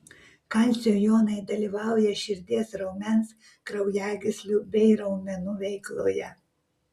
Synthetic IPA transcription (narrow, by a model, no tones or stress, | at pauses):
kɑˑnʲsʲoːjoːnɐɪd̪ɐlʲiːʋɑˑʊjɛʃʲɪɾʲd̪ʲiɛsɾɔʊmʲɛns | kɾɐʊjæːɡʲɪsʲlʲubʲɛɪɾɐʊmʲɛnʊʋʲɛɪklˠo̰ːjɛ